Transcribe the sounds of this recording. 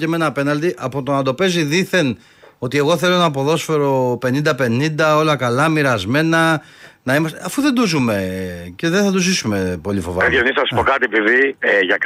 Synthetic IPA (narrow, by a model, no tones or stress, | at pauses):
ceme̞nɐːpe̞nɐld̪iʔɐpot̪o̞nɐnd̪o̞pe̞ziðiθe̞n | o̞t̪ie̞ɣo̞θe̞lo̞nɐːpo̞ðo̞sfe̞ɾo̞pe̞nind̪ɐpe̞nind̪ɐo̞lɐkɐlɐmiɾɐzme̞nɐ | nɐimɐsɐfuðend̪uzume̞ceðeθɐt̪uzisume̞po̞lifo̞̰vɐɐeonisnɐsipokɐt̪iepiðieʝɐk